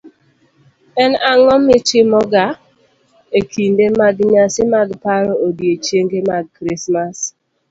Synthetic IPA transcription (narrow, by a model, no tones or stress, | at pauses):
ɛnaŋɔmɪt͡ʃɪmɔɡa | ekʰindemaɡɲasɪmaɡpaɾɔodjet͡ʃeŋɡemaɡ̚kɾismas